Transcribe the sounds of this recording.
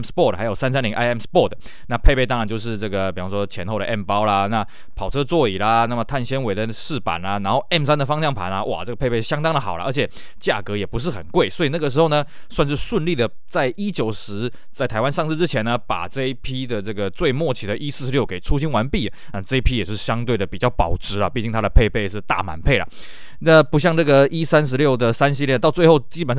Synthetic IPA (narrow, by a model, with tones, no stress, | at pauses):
mspɔ˥˩xa˧˥ɪjo˨˩ʊsa˥nsa˥nli˧˥ŋʔa˥ɪɛ˥˩mspɔ˥˩t̪ə˩ | na˥˧pʰe˥˧ɪpe˥˧ɪtɑ˥ŋɻa˧˦nt͡ɕjo˥˧ʊʂ̬ɻ̩˥˧ʈ͡ʂɤ˥˩ɡə˩pi˨˩ɑ˥ŋʂwɔ˥t͡ɕʰjɛ˧˥nxo˥˩ʊɾə˩ʔɛ˥˩mpɑ˥ʊlɐ˨na˥˩ | pʰɑ˨˩ʊʈ͡ʂʰɤ˦˥t͡swɔ˥˩i˨˩lɐ˦na˥˩mə˩t̪ʰa˥˩nɕjɛ˥nwe˧˥ɪd̪ə˨ʂɻ̩˥˩pa̰˨˩nlɐ˦na˧˥nxo˥˩ʊɛ˥˩msa˥nd̪ə˨fɑ˥ŋɕɑ˥˩ŋpʰa˧˥nlɐ˧ʔwʔa̰˨˩ʈ͡ʂɤ˥˩ɡə˩pʰe˥˧pʰe˥˩ɕjɑ˥ŋt̪ɑ˥ŋd̪ə˨xɑ˨˩ʊlə̰˦ʔə˧˥t͡ɕʰɛ˨˩ | t͡ɕja̰˥˩kɤ˧˥jɛ˨˩pu˧˥ʂ̬ɻ̩˥˩xə˨˩nkwe˥˩ɪswɔ˧˥i˨˩na˥˩ɡə˩ʂ̬ɻ̩˧˥xo˥˩ʊnə˩ | swa˥˧nʂ̬ɻ̩˥˧ʂwə˥˧nli˥˩d̪ə˩ | t͡sa˥˩ɪʔi˥t͡ɕjo˨˩ʊʂɻ̩˧˥ | t͡sa˥˩ɪt̪ʰa˧ɪwa˥nʂɑ˥˧ŋʂɻ̩˥˧ʈ͡ʂɻ̩˥t͡ɕʰjɛ˧˥nə˧pa̰˨˩ʈ͡ʂɤ˥˧i˥˩pʰi˥d̪ə˨ʈ͡ʂɤ˥˩ɡə˩t͡swe˥˧ɪmwɔ˥˩t͡ɕʰi˨˩d̪ə˦ʔi˥sɹ̩˥˩ʂɻ̩˧˥ljo˥˩ʊke˨˩ɪʈ͡ʂʰu˥ɕi˥nwa˧˥npi˥˩ | a˥˧˩ʈ͡ʂɤ˥˧i˥pʰi˥jɛ˨˩t͡ɕo˥˩ʂ̩˧˩ɕjɑ˥ŋt̪we˥˩ɪd̪ə˩pi˨˩t͡ɕjɑ˥˩ʊpɑ̰˨˩ʊʈ͡ʂʰɻ̩˧˥lɐ̰˧pi˥˧˩t͡ɕi˥˩ŋt̪ʰa˥d̪ə˨pʰe˥˧ɪpʰe˥˧ɪʂ̬ɻ̩˥˧t̪a̰˥˩ma̰˨˦npʰe˥˩ɪlɐ̰˩ | na˥˧pu˧˥ɕ̬jɑ˥˧ŋʈ͡ʂɤ˥˩ɡə˩i˥sa˥nʂ̬ɻ̩˧˥ljo˥˩ʊd̪ə˩sa˥nɕ̬i˥˧ljɛ˥˧nt̪ɑ˥˧ʊt͡swe˥˧xo˥˩ʊt͡ɕi˥pə˨˩n˥